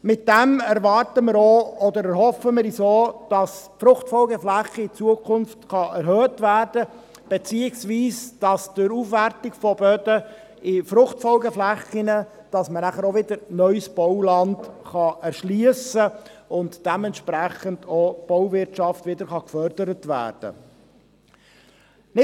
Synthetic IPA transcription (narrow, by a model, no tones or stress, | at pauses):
mɪt̚d̥ɛmæɾʋɑrtəmɪɾoɔd̪əɾɛɾhɔfəmɪɾisoːd̥ɑsfɾʊχtfɔlɡəflæχəɪt͡suəkʰʊnftχɑʔɛɾɦœːtʋæːrd̥ə | b̥et͡siːɪɡsʋiːsd̥ɑsd̥ʊɾufʋærtɪɡfɔbœdə | ɪfɾʊχtfɔlɡəflæχɪnə | d̥ɑsmənæχəɾoʋɪdəɾnœʏsb̥ɔʊwlɑndχɑɛɾʃliəsəʊntd̥ɛmɛntʃpɾæχəndob̥ɔwvɪɾtʃɑftvʋɪdəɾχɑkfœɾd̥əɾətʋæ̰ːrd̥ə̰ | nɪ